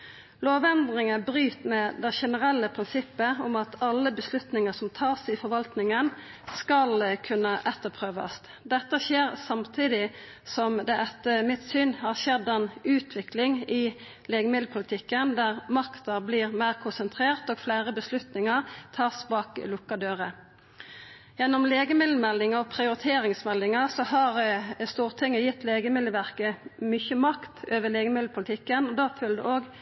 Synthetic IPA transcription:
loːʋɛnd̪ʁɪŋəbɾyːt̪mɛd̪ɛʃɛnəʁɛlːəpʰɾɪnsɪpːəʊmɑt̪ɑlːəbəslʉt̪nɪŋəsɔmt̪ʰɑːsɪfɔɾʋɑlt̪nɪŋən | skɑlkʰʉnːəʔɛt̪ːəpʰʁøːʋɑ̰s | d̪ɛt̪ːəʃeːɾsɑmt̪ʰiːd̪ɪ | sɔmd̪ɛʔɛt̪ːəmɪt̪syːnhɑʁʃɛd̪ɛnʉːt̪ʰʋɪklɪŋɪ | leːɡəmɪd̪l̩pʰʊlət̪ʰɪkːənd̪æʁmɑkt̪ɑbliːʁmæɪʁkʰʊnsənt̪ʰʁeːʁt̪oːɡ̥flæɪʁəbəslʉt̪nɪŋɑʁt̪ʰɑːsbɑːklʊkːɑd̪øːʁə | jɛnːɔmleːɡəmɪd̪ləmɛlːɪŋɑɔpʰʁɪʊɾɪt̪ʰeːɾɪŋsmɛlːɪŋɑsɔhɑʁəst̪uːʁt̪ʰɪŋːəjɪt̪ːleːɡəmɪd̪əʋæʁkəmʏçəmɑkt̪øːʋəleːɡəmɪd̪l̩pʰʊlt̪ʰɪkːənɔd̪ɑːfʉld̪ə̰ʔoːɡ

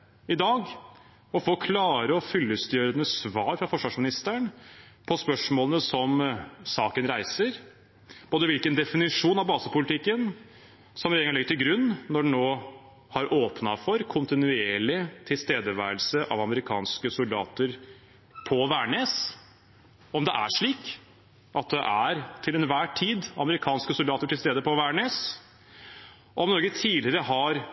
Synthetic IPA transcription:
ɪd̪ɑːɡ | ɔfoːkʰlɑːɾəɔfʏlːəst̪øːɾənəsʋɑːɾfɾɑfɔʂʋɑʂmɪnɪst̪əæɳ | pʰɔspœʂmoːlənəsɔmsɑːkənɾæɪsəɾ | b̥oːd̪əʋɪlkənd̪ɛfɪnɪʂuːnɑʋbɑːsəpʊlɪt̪ʰɪkːən | sɔmɾeːɡɑnlɛɡəʈ̪ʰɪlɡɾʉnːnɔɖnnoː | hɑɾʔoːpnɑfɔɾkʰʊnt̪ɪnʉeːɭɪt̪ʰɪlst̪eːd̪əʋæ̰ːɾəlsəʔɑ̰ʋɑməɾɪkʰɑ̰ːnskəsʊld̪ɑ̰ːt̪əɾ | pʰɔʋæːɳeːs | ɔmd̪ɛʔæ̰ʂɭiːk | ʔɑt̪̚d̪ɛʔæɾt̪ʰɪlɛnʋæːʈʰiːd̪ɑ̰məɾɪkʰɑːnskəsʊld̪ɑːt̪əʈʰɪlst̪eːd̪əpɔʋæːɳeːs | ɔɔmnɔɾɡət̪ʰiːlɪɾəɦɑɾ

